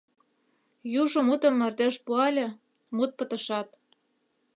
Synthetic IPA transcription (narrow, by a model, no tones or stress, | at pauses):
juʒŏmut̪ɤ̆mːɑrd̪eʃpuɑlʲĕ | mut̪̚pɤ̆t̪ɤ̆ʃɑt̪̚